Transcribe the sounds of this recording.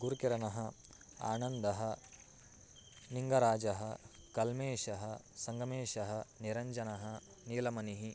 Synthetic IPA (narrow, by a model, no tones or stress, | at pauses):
ɡuɾkiɾɐnɐɦɐ | a̰ːnɐnd̪ɐɦɐ̆ | niŋɡɐɾaːd͡ʒɐɦɐ | kɐlmeːʃɐɦɐsɐŋɡɐmeːʃɐɦɐniɾɐɲd͡ʒɐnɐɦɐ | niːlɐmɐniɦi